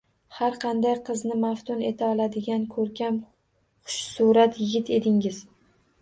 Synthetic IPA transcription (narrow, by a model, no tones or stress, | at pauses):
haɾqʰɑnd̪ajqʰɨznɪmaft̪ʰʊne̞t̪ʰaɒlˠad̪ɪɡʲankʰɵɾkʲam | χʊ̥ʃsuɾat̪jɪɡʲɪt̪ʰe̞t̪ɪŋɪz̥